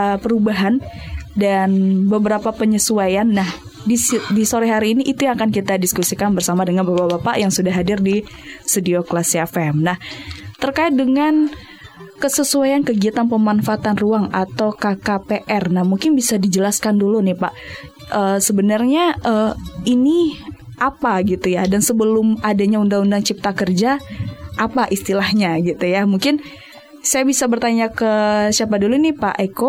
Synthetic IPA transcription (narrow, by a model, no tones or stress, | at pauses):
pəɾubaɦandanbəbəɾapapəɲəsuajanːah | didisoɾɛɦaɾiːniʔːt̪ujaŋakankit̪adiskusikanbərsamadəŋanbapabapaʔjaŋsudaɦadɪrdi | sədioklasiafɛmnaht̪ərkaɪt̪̚dəŋan | kəsəsuajankəɡiat̪anpəmanfaːt̪anruaŋat̪awkakapeʔɛrnahmuŋkɪnbisadid͡ʒəlaskandulunɪhpa̰ʔ | ʔəːsəbənarɲaəini | ʔapaɡit̪ujadansəbəlʊmadaɲaundaŋundaŋt͡ʃip̚t̪akərd͡ʒaʔapaʔist̪ilahɲaɡit̪ujamuŋkɪn | sajabisabərt̪aɲakəsiapadulunɪhpa̰ʔeko